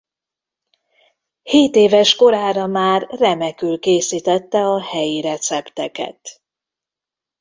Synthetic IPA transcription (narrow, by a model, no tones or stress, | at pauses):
heːt̪eːvɛʃko̞ɾaːɾɒmaːrːɛmɛkylkeːsiːt̪ɛt̪ːɛɒhɛjiɾɛt̪sɛpt̪ɛkɛ̰t̪